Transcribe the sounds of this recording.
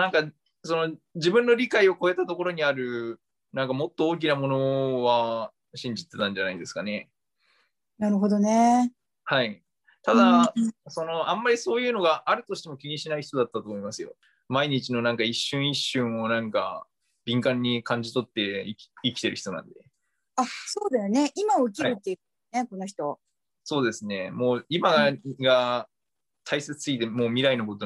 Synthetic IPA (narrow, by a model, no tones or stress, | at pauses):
nãŋka | so̞no̞d͡ʑibɯ̟̃nːo̞ɾʲikaio̞ko̞e̞t̪at̪o̞ko̞ɾo̞ɲ̟iaɾɯ̟ | nãŋkamo̞t̪ːo̞oːk̬ʲinamo̞no̞βa | ɕĩɲ̟d͡ʑit̪ːe̞t̪ãɲd͡ʑanaĩnd̪e̞sɨ̥kane̞ | naɾɯ̟ɦod̪o̞ne | hai | t̪ad̪aso̞no̞ãmːaɾʲiso̞ːjɯ̟ːno̞ɡaʔːɾɯ̟t̪o̞ɕi̥t̪e̞mokʲiɲ̟iɕinaiçi̥t̪od̪at̪ːat̪oːmoimasɨjo̞̰ | maiɲ̟it͡ɕino̞nãŋkaiɕːɨ̃ɰ̃iɕːɨ̃ɰ̃o̞nãŋka̰ | bʲĩŋkãɲ̟ːikãɲ̟d͡ʑit̪o̞t̪ːe̞iikʲi̥t̪e̞ɾɯ̟çʲi̥t̪o̞nã̰nd̪e̞ | aso̞ːd̪esone̞ʔimaok̬ʲiaaɾɯ̟t̪ːe̞jiɯ | neko̞noçi̥t̪o̞ | so̞ːd̪e̞sɨne̞mo̞ːimaɡa | t̪ʰaise̞t͡sɨ̥ɨit̪e̞moːmʲiɾaino̞ko̞t̪o